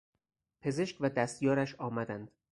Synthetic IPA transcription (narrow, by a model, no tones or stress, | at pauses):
pʰe̞zeʃcvæd̪æst̪jɒːɾæʃɒːmæd̪ænd̪̥